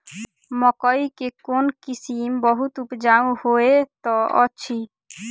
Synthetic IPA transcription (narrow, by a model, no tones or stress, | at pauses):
mɔkɔjkekonkisimbɔɦut̪upd͡ʑaũhoet̪ɔɔt͡ɕʰi